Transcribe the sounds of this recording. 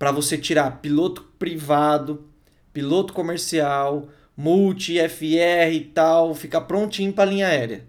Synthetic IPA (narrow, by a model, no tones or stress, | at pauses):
pɾɐvoset͡ʃiɾaɾpilot̪ʊ̥pɾivad̪ʊ | pilot̪ʊ̥komeɾsiaw | muwt͡ʃiɛfiɛhɪt̪awfikɐpɾõnt͡ʃĩɲʊpɾɐlĩɲɐɛɾjɐ